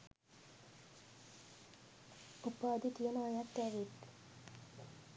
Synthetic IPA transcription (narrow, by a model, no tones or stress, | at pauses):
upaːd̪it̪ijonaːjat̪ːɛʋet̪